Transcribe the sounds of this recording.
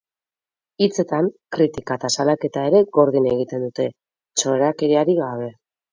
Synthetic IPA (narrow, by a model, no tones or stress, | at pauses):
it͡se̞t̪ankɾit̪ikat̪asalake̞t̪ae̞ɾe̞ɣo̞ɾð̞ine̞ɣit̪e̞nd̪ut̪e̞ | t͡ʃo̞ɾakeɾiaɾiɣaβ̞e̞